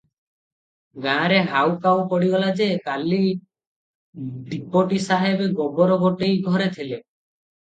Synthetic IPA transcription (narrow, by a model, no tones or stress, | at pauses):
ɡãɾeɦawkawpɔɽiɡɔlad͡ʒekali | ɖipoʈisaɦebeɡɔbɔɾɔɡoʈejɡʱɔɾet̪ʰile